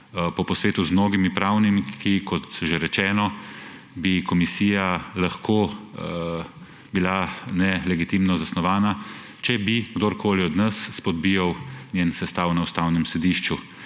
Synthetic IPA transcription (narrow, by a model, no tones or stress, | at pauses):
pɔpɔsʋeːt̪uzmnoːɡimipɾaːwnimikʰikʰɔt̪ʒeɾɛt͡ʃɛːnɔ | bikɔmisiːjalaxkʰoː | bilanɛlɛɡit̪imnɔzasnɔʋaːna | t͡ʃɛbiɡd̪oːɾkʰoːliɔd̪nəsːpɔd̪̚bijɐwnjensɛst̪aːwnaust̪aːwnɛmsɛd̪iːʃt͡ʃu